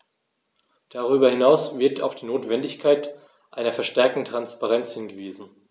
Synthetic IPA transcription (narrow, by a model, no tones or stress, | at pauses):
d̥aʁyːbɐhɪnaʊsv̥ɪɐtʰa̰ʊfd̥iːnoːtv̥ɛndɪçkʰaɪt | ʔaɪnɐfɛɐʃtɛɐk̚tn̩tʁ̥anspaʁɛnt͡shɪnɡəviːzn̩